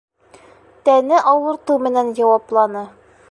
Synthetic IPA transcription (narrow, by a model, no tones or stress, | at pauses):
t̪ænɘʔɒwɤ̆ɾt̪ɤmɘ̆nænjɒwɑplˠɑnɤ